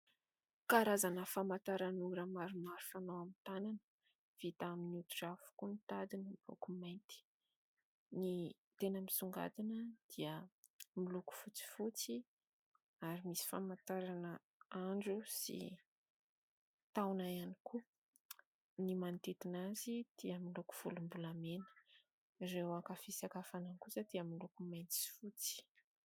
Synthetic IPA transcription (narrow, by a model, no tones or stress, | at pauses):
kaɾazanəfamat̪aɾanuɾamaɾumaɾu̥fanawamit̪ananə | v̥it̪aaminut̪uɖ͡ʐavu̥kunit̪ad̪inəmilṵkumajnt̪i̥ | ni | t̪enəmisuŋɡa̰d̪inəd̪̥iəmiluku̥fut͡si̥fut͡si | aɾimisi̥famant̪aɾanə | aɳɖ͡ʐusḭ | t̪awnajaniku | nimant̪et̪inazid̪̥iəmiluku̥fulumbulamenə̥ | rewakafisakafanankusat̪iəmilukumajnt̪i̥si̥fut͡si̥